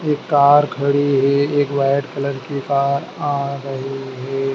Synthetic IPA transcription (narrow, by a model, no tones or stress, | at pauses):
eːkːaːɾkʰɐɽiɦɛeːkʋaːɪəɖkɐləɾkikaːɾaːɾəɦiɦɛː